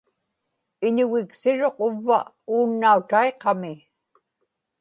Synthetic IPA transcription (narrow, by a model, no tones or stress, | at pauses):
ɪɲʊɣɪksɪɻo̞qʊvːa̰ | uːnːaut̪aeqɑmɪ